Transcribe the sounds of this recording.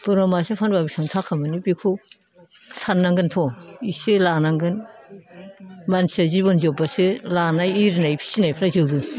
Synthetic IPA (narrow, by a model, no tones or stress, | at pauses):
tɔɾɔmasepʰanbabisɯŋtʰakʰamɯnibikʰu | sanːaŋɡɯntʰɔiselanaŋɡɯn | mansazibɔnzɔbaselanajiɾnajpʰi̥sinajpʰaɾazɯwbɯ